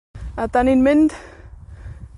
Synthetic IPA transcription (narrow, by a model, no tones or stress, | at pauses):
at̪aninmend̪